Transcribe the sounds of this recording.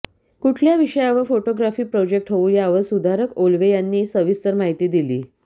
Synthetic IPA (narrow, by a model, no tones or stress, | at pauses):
kuʈʰljaʋiʂəjaʋəfoʈoɡɾafiːpɾɔd͡ʑek̚ʈɦouːjaʋəsud̪ʱaɾəkolʋejanːiːsəʋist̪əɾmaɦit̪iːd̪iliː